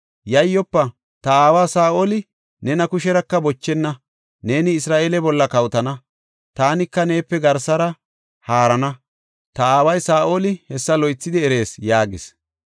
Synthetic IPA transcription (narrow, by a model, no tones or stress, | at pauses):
jɐjːɔpːɐ | t̪ɐaːwaːsaːʔoːlɪ | nɛnɐkʊʃɛɾɐkːɐbɔt͡ʃːɛnːɐ | ne̞ːnɪːsɾaːʔeːlɛbɔlːɐkɐwt̪ɐnɐ | t̪aːnɪkːɐne̞ːpːɛɡɐɾsɐɾɐ | haːɾɐnɐ | t̪ɐaːwɐjsaːʔoːlɪhɛsːɐlɔjt͡sːɪd̪ɪɛɾe̞ːsjaːɡɪs